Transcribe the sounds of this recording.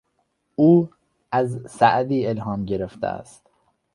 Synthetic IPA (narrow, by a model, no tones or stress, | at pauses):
uː | æzsæʔd̪iːelɦɒːmɟe̞ɾeft̪ʰḛæ̰st̪